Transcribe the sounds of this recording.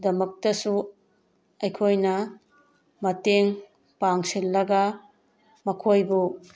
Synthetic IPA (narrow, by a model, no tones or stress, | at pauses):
dɐmɐk̚tɐsu | ɐjkʰojnɐ | mɐteŋ | paŋsilːɐɡɐ | mɐkʰojbu